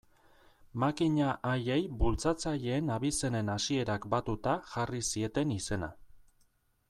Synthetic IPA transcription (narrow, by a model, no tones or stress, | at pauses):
makiɲaʔːje̞jbult͡sat͡saʎe̞ːnaβise̞ne̞nasie̞ɾakbat̪ut̪aʝarisie̞t̪e̞nise̞na̰